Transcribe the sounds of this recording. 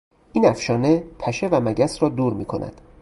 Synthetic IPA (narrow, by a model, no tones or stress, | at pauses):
ʔiːnæfʃɒːne̞pʰæʃe̞væmæɟæsɾɒːd̪uːɾmiːkʰonæ̰d̪̥